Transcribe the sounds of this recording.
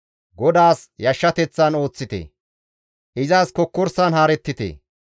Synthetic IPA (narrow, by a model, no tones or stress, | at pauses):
ɡɔd̪aːsjɐʃːɐt̪ɛt͡sːɐno̞ːt͡sːɪt̪ḛ | ʔɪzaːskɔkːɔɾsanhaːɾɛt̪ːɪt̪ḛː